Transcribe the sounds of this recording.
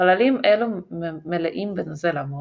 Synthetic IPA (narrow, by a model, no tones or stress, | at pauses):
alalimʔelumeleʔimbenozelamo